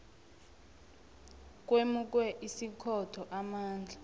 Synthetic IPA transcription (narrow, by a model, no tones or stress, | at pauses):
k̬wemuk̬wɛʔisikʰɔtʰɔʔamaːnd͡ɮʱa